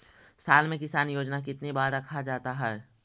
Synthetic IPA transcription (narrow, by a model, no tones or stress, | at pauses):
saːlmẽkɪsaːnjoːd͡ʒnak̬ɪt̪nibaːɾɾɐkʰad͡ʒaːt̪aɦɛː